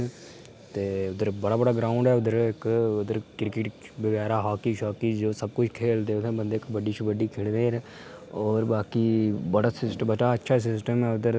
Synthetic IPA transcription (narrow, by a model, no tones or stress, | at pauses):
t̪eːʊd̪əɾbɐɽaːbɐɽaɡɾãːʊ̃ɳɖɦɛʊd̪əɾkʊd̪əɾkɪɾkɪʈbəɡɛːɾaɦaːkiʃɔːkid͡ʒoːsəb̚kʊt͡ʃʰkʰeːld̪et̪ʰẽbə̃nd̪ekbəɖit͡ʃʰubəɖikʰeːɽneːɾ | ɔːɾbaːkibɐɽasɪsʈbət͡ʃaətːʃʰas̬ɪsʈəmɦɛʊd̪əɾ